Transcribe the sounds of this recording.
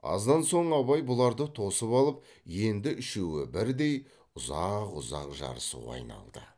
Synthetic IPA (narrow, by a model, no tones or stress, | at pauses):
ɑ̰zd̪ɑnso̞ɴɑβɑjbʊlˠɑɾd̪ət̪ʰo̞səpɑlˠəp̚ | je̞nd̪ɪʔɪʃewɪbɪɾd̪e̞j | ʊzɑqʊzɑ̰qʒɑ̰ɾəsṵwɑ̰jnɑ̰lˠd̪ə